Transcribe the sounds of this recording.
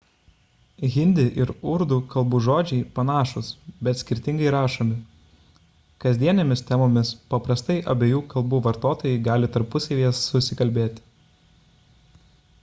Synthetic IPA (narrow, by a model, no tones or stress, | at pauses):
ɣʲɪnʲd̪ʲɪʔɪɾʊɾd̪uːkɐlˠbuːʒoːd͡ʒʲɛɪpɐnɑːʃʊsbʲɛt̪sʲkʲɪɾʲt̪ʲɪŋɡɐɪɾɑːʃoːmʲɪ | kɐzʲd̪ʲiɛnʲemʲɪst̪ʲɛmoːmʲɪspɐpɾɐst̪ɐɪʔɐbʲeːjuːkɐlˠbuːʋɐɾt̪oːt̪oːjɛɪɡɑːlʲɪt̪ɐɾpʊsʲɛʋʲiɛsːʊsʲɪkɐlʲbʲeːt̪ʲɪ̥